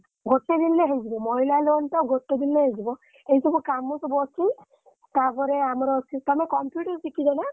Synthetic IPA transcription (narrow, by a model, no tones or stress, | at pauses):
ɡʱoʈːed̪inleɦezibɔmɔilalontɔɡʱoʈːed̪inleɦezibɔ | ejsɔbɔkamusɔbɔsʰi | tapɔɾɛamɔɾɔsʰitamɛkɔmpjuʈɔɾsikizana